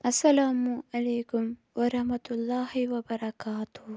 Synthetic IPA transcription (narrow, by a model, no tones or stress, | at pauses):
ɐsːɐlaːmuʔɐleːkʊm | ʋɐɾɐhmɐt̪ʊlːaːhiwɐbɐɾɐkaːt̪ʊ